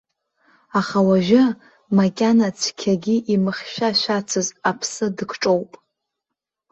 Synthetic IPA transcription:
aχawaʒɪ | makʲʼanat͡sʷʰkʲʰaɡʲiʔimɨχʲʃʷᶣaʃʷat͡sʰɨzapʰsɨdɨkʰʈ͡ʂʼowpʼ

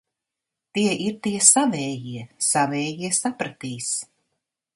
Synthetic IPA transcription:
t̪iɛʔiɾt̪iɛsavɛːjiɛsavɛːjiɛsapɾat̪iːs

